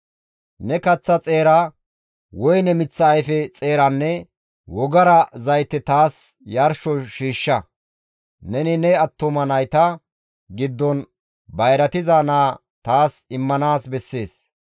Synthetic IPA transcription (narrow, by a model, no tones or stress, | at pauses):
nɛkɐt͡sːɐt͡sʼe̞ːɾa | wɔjnɛmɪt͡sːɐːjfɛt͡sʼeːɾɐnːɛ | wɔɡɐɾɐzɐjt̪ːɛt̪aːs | jɐɾʃɔʃiːʃːɐ | nɛnɪnɛɐt̪ːɔmɐnɐjt̪ɐ | ɡɪd̪ːɔn | bɐjɾɐt̪ɪzanaː | t̪aːsɪmːɐnaːsbɛsːe̞ːs